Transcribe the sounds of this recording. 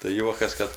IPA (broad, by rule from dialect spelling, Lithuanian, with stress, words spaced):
tɐɪ ˈjuɔkɐs ˈkɐt